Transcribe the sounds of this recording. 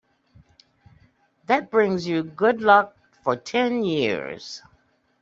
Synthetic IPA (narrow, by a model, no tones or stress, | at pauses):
ðɨt̚b̥ɹɪ̃ŋzjɨɡʊdˡlʌk̚ | fə˞tʰɛ̃njɪ̰ɹz̥